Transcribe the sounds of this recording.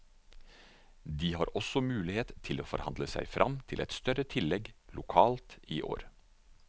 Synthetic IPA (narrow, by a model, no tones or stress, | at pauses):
d̪iːhɑːɾʔɔsɔmʉːlɪheːt̪t̪ʰɪloːfɔ̰ɾhɑ̰nd̪ləsæ̰ɪfɾʔɑmt̪ʰɪlɛ̰t̪st̪œɾət̪ʰɪlːɛɡlʊkʰɑːlt̪iːʔo̰ːɾ